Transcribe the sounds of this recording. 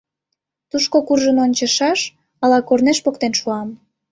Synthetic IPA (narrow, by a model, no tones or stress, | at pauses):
t̪uʃkokurʒənonʲt͡ɕəʃɑʃ | ɑlɑkorneʃpokt̪enʃuɑm